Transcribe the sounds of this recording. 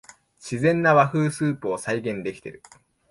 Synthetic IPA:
ɕizẽ̞nːaβaɸɯ̟ːsɨːpɯ̟o̞saiɡẽ̞nd̪e̞kʲi̥t̪e̞̰ɾɯ̟

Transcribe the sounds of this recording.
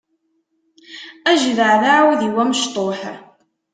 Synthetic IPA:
æʒðəʕðaʕwðiwæməʃt̪ˤoħ

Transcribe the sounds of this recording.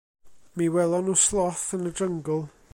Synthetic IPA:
miwɛlˠɔnʊslˠɔθənədəŋɡʊlˠ

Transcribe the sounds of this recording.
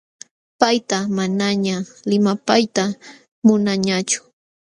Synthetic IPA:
pajt̪amanaɲalɪmapajt̪a | mʊnaɲat͡ʃʊ̥

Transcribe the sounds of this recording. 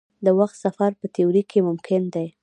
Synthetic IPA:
d̪əwaxt̪safaɾpət̪euɾikemʊmkʰɪnd̪aj

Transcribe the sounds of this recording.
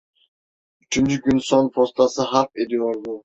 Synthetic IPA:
yt͡ʃʰynt͡ʃʰykʲynsonpʰost̪ʰɑsɨɦɑp̚ed̪ijoɾd̪u

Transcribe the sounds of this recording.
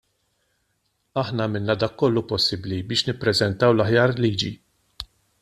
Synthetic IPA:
ɐħnɐːmɪnːɐd̪ɐːkːɔlːupɔsːɪblibɪːʃnɪpːɾɛzɛnt̪ɐwlɐħjɐːɾliːd͡ʒi

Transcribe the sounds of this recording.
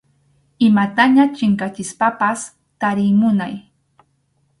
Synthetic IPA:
ɪmat̪aɲat͡ʃɪŋkat͡ʃɪspapas | t̪aɾɪmʊnaj

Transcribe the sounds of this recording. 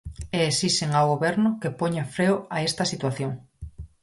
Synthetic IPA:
eːsisteŋawɣoβɛɾnʊkepoɲafɾewaest̪ɐsit̪waθjoŋ

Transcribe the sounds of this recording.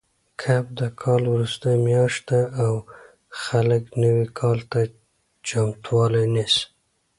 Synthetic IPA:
kʰap̚d̪əkʰɑlwɾust̪əjmjɑʃt̪̚d̪aːw | xaləknəwikʰɑlt̪a | t͡ʃamt̪wɑlajnes

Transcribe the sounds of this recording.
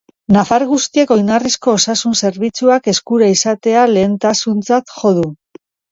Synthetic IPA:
nafaɾɣust̪ie̞ko̞jnarisko̞ːsasunse̞ɾβit͡suake̞skuɾaisat̪e̞ale̞ːnt̪asunt͡sat̪ʝo̞ðu

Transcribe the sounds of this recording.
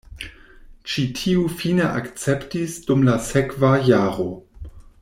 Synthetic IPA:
t͡ʃitʰiufineʔa̰kt͡septisdumlasekvajaːɾo

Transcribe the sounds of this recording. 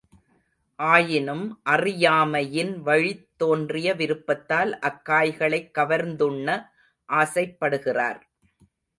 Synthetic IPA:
ʔaːjɪnɯmʔɐrɪjaːmɐjɪnʋɐɻɪt̪ːoːndrɪjɐʋɪɾɯpːɐt̪ːaːlʔɐkːaːjɣɐɭɐɪkːɐʋɐɾnd̪ɯɳːɐ | ʔaːsɐɪpːɐɽɯɣɪra̰ːɾ

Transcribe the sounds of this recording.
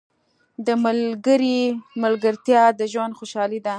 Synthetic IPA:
d̪əmalɡəɾimalɡəɾt̪jɑd̪əʒwand̪xoʃɑlid̪a

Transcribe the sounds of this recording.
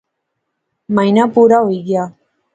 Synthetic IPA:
majnapuɾaojɡɪa

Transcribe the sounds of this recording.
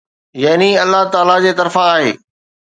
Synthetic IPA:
jɐɦniɐlːaɦt̪aːlad͡ʑeːt̪ɐɾfãaːɦḛː

